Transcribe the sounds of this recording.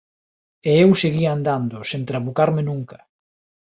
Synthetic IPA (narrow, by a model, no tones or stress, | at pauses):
eewseɣiand̪and̪ʊsẽnt̪ɾaβukaɾmenuŋkɐ